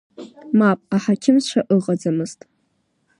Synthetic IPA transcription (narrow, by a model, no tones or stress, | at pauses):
mapʼaħakʲʰɪmzʃʷʰaʔɨʁʼad͡zamɨztʼ